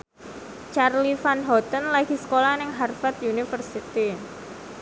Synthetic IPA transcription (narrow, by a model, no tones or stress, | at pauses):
t͡ʃarlifanɦɔt̪ənlaɡ̥i̤sə̥kolanɪŋɦarfat̪junifərsit̪i